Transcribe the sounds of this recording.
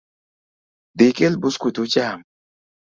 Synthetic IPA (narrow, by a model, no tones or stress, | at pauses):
dikelbuskut̪ut͡ʃam